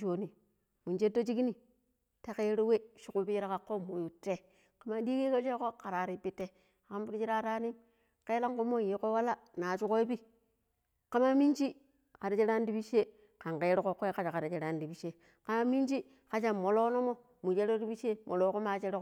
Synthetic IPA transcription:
t͡ʃo˨ni˨ | mu˨nd͡ʒe˦do˦t͡ʃi˦ki˦ni˨ | ta˦ke˦ɾo˦we˦ʃu˨ku˦pi˦i˦ɾa˦ka˨kːo˦mu˨ju˨tːe˦ | ka˨ma˦di˦ke˦ko˦t͡ʃe˦ko˦ka˨ɾa˨ɾi˨pi˦tːe˦ | a˨ka˦mbi˦ɾi˦t͡ʃi˦ɾa˦ɾa˦ni˦ | ke˦la˦ŋku˦mo˦˨ji˨˦ko˦wa˦la˦ | na˨t͡ʃu˦ko˦i˦pi˦ | ka˦ma˦mi˦nt͡ʃi˦ | ka˨ɾa˨t͡ʃe˦ɾa˦ndi˦bi˦ʃe˦ | ka˨ŋke˦ɾi˦ko˦kːo˦ka˦t͡ʃa˨ka˨ɾa˨t͡ʃe˨ɾa˦ndi˨bi˨˦ʃe˦ | ka˨ma˦mi˦nd͡ʒi˦ | ka˨t͡ʃa˨mo˨lo˦no˦mo˦ | mu˨t͡ʃe˦ɾo˦di˦bi˦ʃe˦mo˨lo˦ko˦ma˨t͡ʃe˦ɾi˦k

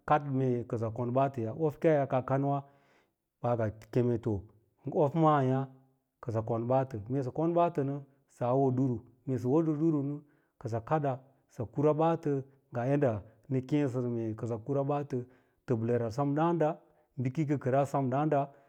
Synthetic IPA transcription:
ka˦dme˨kə˨za˨ko˨nba˦tə˨ja˨ʔo˦fkʲa˦ja˨ka˨ka˦n˦wa˦ | ba˨ɡa˨ke˨me˨to˨ | o˦fma˦˨ja˦ | kə˨z̬a˨ko˨nba˦tə˨me˨s̬ə˨ko˦nba˦tə˨nə˦ | sa˨˦wo˦du˦ɾu˨ | me˨s̬ə˨wo˦də˨du˦ɾu˨nə˦ | kə˨z̬a˨ka˦da˨ | sa˨ku˦ɾa˦ba˦tə˦ | ɡa˨je˦nda˨nə˦kẽ˦s̬ə˨ɾme˨kə˨za˨ku˦ɾa˦ba˦tə˨ | tə˨bə˨le˨ɾa˨sa˦mda˦nda˦ | m˦bi˦ki˦kə˦kə˨ɾa˦sa˦mda˦nda˦

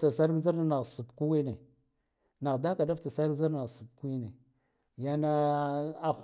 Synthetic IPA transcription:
ta˨sa˦ɾɡza˦ɾna˨ɣsu˨bku˦wi˦ne˨ | na˨ɣda˦ka˨da˦fta˨sa˦za˦ɾa˨ɣsu˨bku˦i˦ne˨ | ja˦na˦a˦

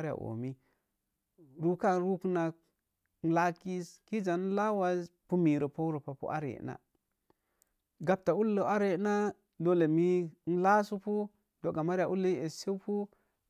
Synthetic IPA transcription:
ɾi˦ja̰˨ʔo̰˨mi˦ | ɾu˦ka˦ɾu˦ku˦na˨k̚ | n̩˦la˦ki˦ski˦d͡ʒa˨n˦la˦wa˦spu˦mi˨ɾo˨po˦ɾo˨pa˨pṵ˦ʔa̰˦ɾḛ˨˦na̰˨ | ɡa˦p̚ta˨u˦lːo˨˦a˦ɾe˦na˦ | do˦le˨mi˦n̩˦la˦su˦pu˦ | d̥o˨ɡa˨ma˦ɾi˦a˨ʔu˦lːi˦e˨se˦pu˦

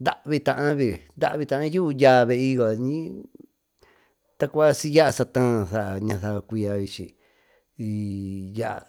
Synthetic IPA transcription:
nd̪a˦˨ʔβi˧t̪ã˧ʔã˦βi˧nd̪a̰˦ʔβi˧t̪ã˧ʔã˦ju˦˧ja˧˨βe˧i˧jo˧˨ɲĩ˦ | t̪a˦˧kʷa˦si˧ja˦ʔa˧sa˧t̪ãː˦˧θa˧˨ʔa˨ɲã˧θa˧βa˧kʷi˧a˧βi˧t͡ʃḭ˧ | i˧ja˦ʔa̰˨

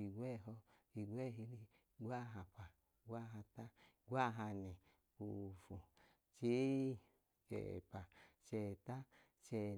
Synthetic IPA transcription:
i˨ɡʷɛ˦˨ɦɔ˧i˨ɡʷɛ˦˨ɦi˧li˧ | ɡʷa˦˨ɦa˨pa˨ | ɡʷa˦˨ɦa˧ta˦˨ | ɡʷa˦˨ɦa˧nɛ˨ | u˨fu˨ | t͡ʃe˦˨ | t͡ʃɛ̰˨pa˨t͡ʃɛ˨ta˦ | t͡ʃɛ˧˨

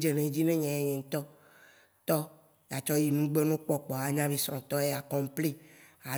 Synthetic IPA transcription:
d͡ʒe˨nẽ˨˦d͡ʑi˦nẽ˦ɲɛ̃˨jɛ˨ɲɛ̃˨ŋ̩˨t̪ɔ˦ | t̪ɔ˦ | ja˨t͡ʃɔ˦ji˨nũ˦ɡ͡be˦nũ˦k͡pɔ˦k͡pɔ˨a˦ɲã˦vi˦sɾɔ̃˨t̪ɔ˦e˦a˨kɔ̃˨m˦pli˦a˨

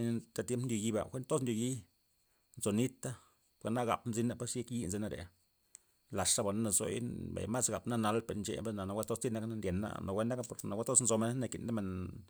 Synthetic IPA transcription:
t̪a˦t̪je˦mpndʲo˧ji˧ba̰˨xe˦nt̪o˦s̬nd̪ʲjo˧ji˦ | nzo˨ni˦t̪a˦˨ | ɡa˨na˦ɡa̰˨pmzi˦na˦pa˦sje˦kji˦nze˧na˦ɾḛ˨ | la˨ʂʂa˦ba˨na˦na˧zo̰˨jḭ˦bḛ˨jma˦sɡa˨pna˦na˧lpe˧ɾnt͡ʃḛ˧be˦na˨na˧wʷa˦t̪o˦st̪i˦na˦kna˦nd̪ʲe˨nːa̰˦no˨wʷe˦na˦ka˦po˨ɾna˨wa˦t̪o˦snzo˧me˦n˦na˧kḭ˨nd̪a˦me˨n

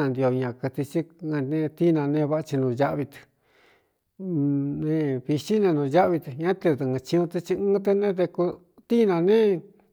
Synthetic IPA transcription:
ã˧nd̪i˧o˧˨˧ɲã˧kɨ˧t̪i˧t͡ʃĩ˦˧nẽ˧t̪i˦˧nã˧nẽ˧βa˦ʔa˧t͡ʃi˧nũ˧˨ja˦ʔβi˧t̪ɨ̥˨˧ | nẽ˧βi˧ʃi˦nẽ˧nũː˧ja˦ʔβi˧t̪ɨ˨ɲã˦t̪e˧ðɨ˨˧ɨ̃˧t͡ʃĩ˧ũ˧t̪e˧t͡ʃi˧ɨ̃ː˦t̪̬e˧nẽ˦t̪e˧ku˧ | t̪i˦nã˧nẽ˦

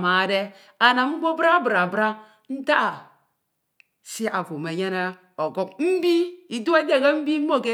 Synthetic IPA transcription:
ma˨de˦ | a˨na˨ŋ͡m̩˦ɡ͡bo˦bɾa˦bɾa˨bɾa˦ | n̩˦ta˦˨ | si˦a˨fo˨me˨je˦na˦ | o˨ɡo˦k̚m̩˦bi˦i˨du˦e˦de˦˨ɡa˦m̩˦bi˦mo˦˨ke˦

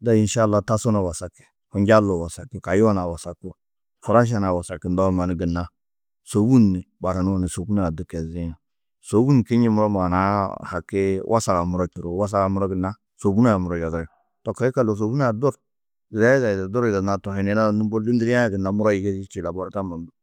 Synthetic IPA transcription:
da˨i˨nʃa˦˨lːa˦ta˦so˦na˨wa˨sa˨ke̥˨ | ku˨nd͡ʒa˦lo˨wa˨sa˨kːi˨ka˨ji˦wa˦na˨wa˨sa˨ku˦wa˨ | fu˨ɾa˦ʃ̬a˦˨na˨wa˨sa˨ki˨n˨da˦wma˨ni˦ɡə˨nːa˦ | so˨˦wu˦nːi˨ba˨ɾa˨nu˦wa˦˨ne˨so˨bu˦na˦a˨du˦ke˨zi˦ja˨ | so˨˦wu˦n˨ki˦ɲi˦mu˦ɾo˦m˨a˨na˦ha˨kːe˦wʔa˦sa˨ka˨mu˦ɾo˦t͡ʃi˨ɾo˨˦wa˦s̬a˦ɡa˨mu˦ɾo˦ɡə˨na˦ | so˨bu˦na˦ja˨mu˨ɾo˨d͡ʒa˨de˨ | to˨ka˨˦i˦ka˦˨lo˨s̬o˨bu˦na˦a˨do˦ɾ | ɾa˦a˨da˨do˦ɾi˨ɡa˨na˦to˨he˨ne˦na˦nu˦bo˦li˦ndi˦ɾã˦ja˨ɡə˨nːa˨mu˦ɾo˦ji˨ke˦i˦t͡ʃi˨la˨bo˦ɾa˦ta˦ma˨mbu˨˦

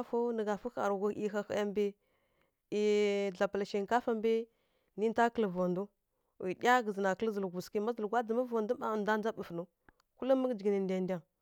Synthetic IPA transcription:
a˦fo˦nə˨ɡa˨fu˦xa̰˨ɾɡʷa˨˦ʔi˦xa˦xa̰˦a˦mbi˦ | i˨ɮa˨pa˨la˨ʃi˨ŋ˨ka˦fa˦mbi˦ | ni˦n˦ta˦kə˦˨lə˨vo˨ndu˦ | wḭ˨ɗʲa˦ɡə˨zə˨na˨kə˦lzə˨lɡʷu˨ski˦ma˦zə˨lɡʷa˦də˨ma˦vo˨ndu˦ba˨nda˦n˦a˦bə˨fnu˦ | ku˦lə˦mə˦ɡd͡ʒi˨ɡi˨nə˨nda˨nda˨ŋ

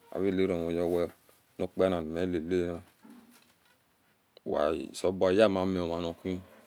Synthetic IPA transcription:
a̰˨βi˦˨le˨˦ɾo˨o˨jɔ˦wɛ˦ | no˦k͡pɛ˦na˨me˨˦le˨le˦na˦˨ | wa̰˨so˨ba˨ja˦˨ma˨˦me˨o˨ma˨no˨kʷi˦

